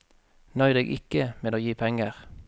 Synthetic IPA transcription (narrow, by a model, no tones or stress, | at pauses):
nœʏd̪ɛɡʔɪ̰kəmɛːloːjiːpʰɛŋəʁ